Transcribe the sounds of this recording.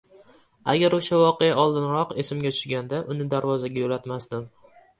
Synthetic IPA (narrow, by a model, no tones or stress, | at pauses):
a̰ɡʲaɾʊʃavɒqejaʔɒlˠd̪ɪnɾɒqe̞sɪmɡʲat̪ʰʊ̥ʃɡʲand̪aʔʊnɪd̪aɾvɒzaɡʲajolat̪masd̪ɪm